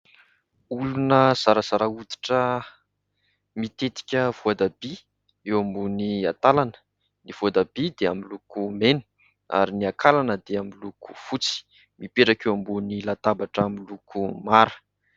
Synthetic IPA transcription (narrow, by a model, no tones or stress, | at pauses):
ulunəz̥aɾaz̥aɾaud̪i̥ʈ͡ʂə | mit̪et̪i̥kʲəv̥uad̪abi | ewambuniat̪alanə̥ | niv̥uad̪abid̪eamilukumenu̥ | a̰ɾiniakʰalanəd̪eamiluku̥fut͡si̥ | mipeʈ͡ʂakewambunilat̪abaʈ͡ʂamilukʰumaɾə̥